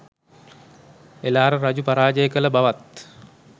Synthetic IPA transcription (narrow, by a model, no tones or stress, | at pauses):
elaːɾərad͡ʑupaɾaːd͡ʒəjəkələbaʋat̪